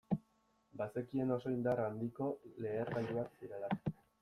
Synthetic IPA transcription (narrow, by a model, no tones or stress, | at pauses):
base̞kie̞no̞so̞ind̪arand̪iko̞le̞ːɾɣaʎuaksiɾe̞la